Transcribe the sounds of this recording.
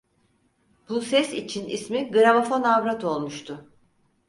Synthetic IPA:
b̥usɛsit͡ʃʰinḭsmiɡɯɾamofo̞navɾat̪ʰo̞lˠmuʃt̪ʰʊ

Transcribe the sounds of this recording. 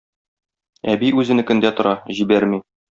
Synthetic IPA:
æbiʉzɘ̆nɘkɵ̆nd̪æt̪ŏɾɑʑibæɾmi

